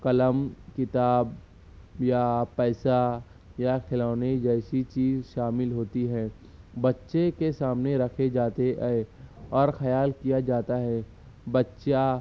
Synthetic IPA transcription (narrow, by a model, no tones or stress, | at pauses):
kɐləmkɪt̪aːb | japɛːsa | jaxʰɪlaːned͡ʒɛːsit͡ʃiːzʃaːmɪlɦoːt̪iɦɛ̃ː | bɐtːʃekesaːmneɾɐkʰed͡ʒaːt̪eʔ | ɔːɾxɐjaːlkijad͡ʒaːt̪aɦɛ | bɐtːʃa